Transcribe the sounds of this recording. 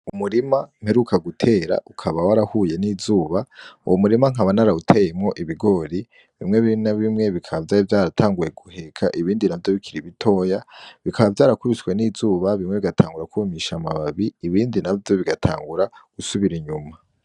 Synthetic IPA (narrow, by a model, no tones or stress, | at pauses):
umuɾimam̥e̞ɾukʰaɡutʰe̞ːɾa̰ʔukʰaβawaɾahuːje̞niːzuːβaṵwomuɾimaŋ̥ɦaβanaɾautʰejemŋo̞ʔiβiɡo̞ɾi | βimŋe̞βinaβimŋe̞βikʰaβavjaːɾivjaːɾatʰaːŋɡuje̞ɡuhe̞kʰa̰ʔiβiːndinavjo̞βikʰiɾiβitʰo̞ːjaβikʰaβavjaːɾakuβiswe̞niːzuːβaβimŋe̞βiɡatʰaːŋɡuɾakumiʃamaβaβiːβiːndinavjo̞βiɡatʰa̰ːŋɡuɾaɡ̥usuβiɾiɲuma